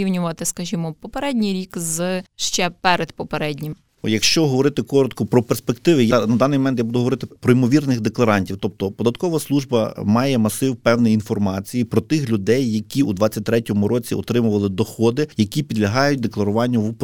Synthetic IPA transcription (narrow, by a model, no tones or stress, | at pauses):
iwnʲʊʋɐt̪ɪskɐʒʲimɔpɔpeɾɛdʲnʲijɾʲikzʃt͡ʃɛpɛɾed̪pɔpeɾɛdʲnʲɪm | jɐkʃt͡ʃɔɦɔʋɔɾɪt̪ɪkɔɾɔt̪kɔpɾɔperspekt̪ɪʋɪjanɐd̪ɑnɪjmɔmɛnt̪jabud̪ʊɦɔʋɔɾɪt̪ɪpɾɔimɔʋʲirnɪxd̪eklˠɐɾɑnʲtʲiwt̪ɔp̚t̪ɔpɔd̪ɐt̪kɔʋɐslˠuʒbɐ̰mɑjɛmɐsɪwpɛwnɛjinfɔrmɑt͡sʲijipɾɔt̪ɪxlʲud̪ɛjːɐkʲiud̪ʋɑt͡sʲːɐt̚ʲt̪ɾɛtʲɔmʊɾɔt͡sʲiɔt̪ɾɪmʊʋɐlˠɪd̪ɔxɔd̪ɪjɐkʲipʲid̪lʲɐɦɑjʊt̚ʲd̪e̞klˠɐɾʊʋɑnʲːɐʋup